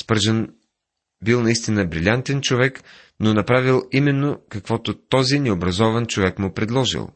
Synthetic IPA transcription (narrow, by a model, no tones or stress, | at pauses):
spəɾʒən | bilˠnɐist̪inəbɾilʲant̪ɛnt͡ʃovɛk | nonɐpɾavilˠimɛnːokɐkvɔt̪ot̪ɔzinɛobɾɐzɔvɐnt͡ʃovɛkmʊpɾɛd̪lˠɔʒḭlˠ